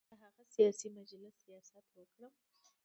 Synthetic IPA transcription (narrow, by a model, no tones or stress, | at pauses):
aɦaɣɐsɪjaːsiːmɐd͡ʒɐlɪsɪjaːsaːpɾoːɡɾam